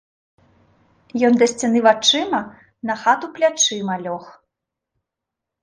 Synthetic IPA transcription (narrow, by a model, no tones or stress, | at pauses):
jɔnd̪ɐsʲt͡sʲɛnɨvat͡ʂɨmɐ | nɐxat̪uplʲat͡ʂɨmɐlʲɔx